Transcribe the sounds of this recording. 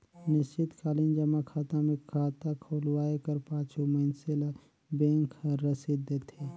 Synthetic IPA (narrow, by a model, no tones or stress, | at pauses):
nɪst͡ʃɪt̪kʰaːlind͡ʒəmakʰaːt̪ãmẽkʰaːt̪akʰoːlwaːekəɾpãːt͡ʃuməɦɪnsel | bẽːŋkɾəsid̪et̪ʰeː